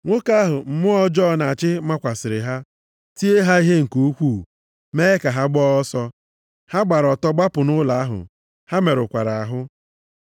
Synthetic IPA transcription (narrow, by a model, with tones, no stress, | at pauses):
ŋʷo˦ka˦ɦʊ˨m̩˦mʊ˦ɔ˦d͡ʒɔ˦˨na˨t͡ʃɪ˦ma˦kʷa˨sɪ˨ɾɪ˨ɦa˦ | ti˦e˦ɦa˦i˦ɦe˦ŋ̩˨ko˦kʷu˦˨ | me˦e˦ka˨ɦa˦ɡ͡bɔ˦ɔ˦sɔ˦ | ha˦ɡ͡ba˨ɾɔ˨tɔ˦ɡ͡ba˦pʊ˨nʊ˦la˨a˦ɦʊ̰˨ | ha˦me˨ɾʊ˨kʷa̰˨ɾa˨a˨ɦʊ˦